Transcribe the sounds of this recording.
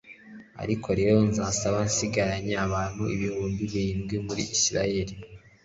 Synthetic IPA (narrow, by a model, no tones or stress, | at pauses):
a̰ɾikʰo̞ɾe̞ːɾo̞nzaːsaβansiɡaɾaɲeaβaːn̥huḭβihuːmbiβiiːmɡwimuɾḭʔisiɾaje̞ɾi